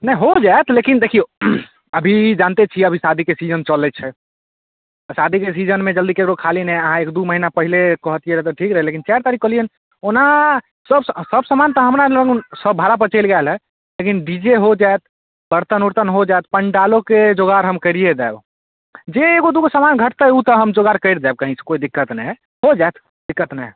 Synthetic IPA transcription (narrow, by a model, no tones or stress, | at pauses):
nɛ̃ɦod͡ʒaet̪lekind̪ekʰijo | əbʱid͡ʒant̪et͡ʃʰiəbʱisad̪ʱikesid͡ʒənt͡ʃəlɛt͡ʃʰɛ | sad̪ʱikesid͡ʒənmẽd͡ʒəld̪ikekɾokʰalineəɦãekd̪uməɦinapəɦilekəɦət̪ijeɾəɦt̪ɔʈʰikɾəɦɛlekint͡ʃaɾt̪aɾikːəliən | ona | səbsəbsəmant̪əɦəmɾaəɡsəbbʱaɾap̬ət͡ʃəɪlɡalɦɛ | lekinɖid͡ʒeɦod͡ʒaet̪̚ | bəɾt̪ənuɾt̪ənɦod͡ʒaet̪̚pəɳɖaloked͡ʒoɡaɾɦəmkəɾied̪ɛb | d͡ʒeːɡod̪ukosamanɡʱəʈt̪əut̪əɦəmd͡ʒoɡaɾkəɪɾd͡ʒ̪ab̚kəɦĩsʰe̥koid̪ikːət̪nɛj | ɦod͡ʒaet̪ʰ | d̪ikːət̪nɛ